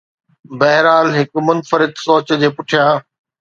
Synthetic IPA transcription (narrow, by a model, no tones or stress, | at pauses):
bɐɦɾaːlɦɪkmʊnfəɾɪd̪soːt͡ɕd͡ʑeːpʊʈʰijãː